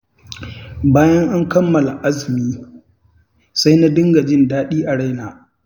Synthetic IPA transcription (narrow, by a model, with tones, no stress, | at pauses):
baː˦jɐ˦ŋʔa˦ŋkɐ˦mːɐ˨la˨ʔa˦zɪ˨miː˦ | sa˦jna˦dɪ˦ŋɡa˨d͡ʒɪ˦ndaː˦ɗiː˦ʔa˨ɽa˦jnaː˨